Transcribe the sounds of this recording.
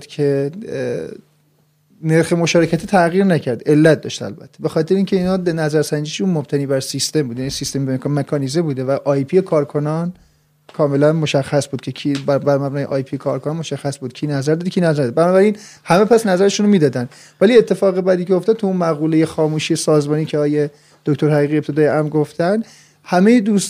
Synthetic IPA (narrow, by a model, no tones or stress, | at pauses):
cʰe̞ | neɾxemoʃɒːɾecʰæt̪ʰit̪ʰæɣiːɾnæcʰæɾd̪e̞lːæt̪̚ʰd̪ɒ̰ːʃt̪æ̰lbæ̰t̪ʰːebe̞xɒːt̪ʰe̞ɾeincʰeiːnhɒːnæzæɾsænd͡ʒiːʃunmobt̪ʰæniːbæɾsist̪e̞mbuːd̪jænisist̪embekmekʰɒːnizebuːd̪evæʔɒːjpʰijekʰɒːɾkʰo̞nɒn | kʰɒːme̞lænmoʃæxːæsbud̪̚cʰecʰibæbæɾmæbnɒːjeʔɒ̰jpʰijekʰɒːɾkʰonɑnmo̞ʃæxːæsbuːd̪̥̚kcʰiːnæzæɾd̪ɒːd̪ecʰiːnæzæɾd̪d̪bænɒːbæɾin | hæme̞pʰæsnæzæɾeʃunomiːd̪ɒːd̪ænd̪ | væliet̪ʰːe̞fɒːɣebæd̪iːcʰejoft̪ɒd̥̪̚t̪ʰuunmæɣuːle̞jexɒːmuːʃiːjesɒːzmɒːniːcʰeɒːje | d̪̥ocʰʲt̪oɾhæʁiːɣie̞p̚t̪ʰe̞d̪ɒːjeʔæmɾɡoft̪ænd̪ | hæme̞jed̪uːs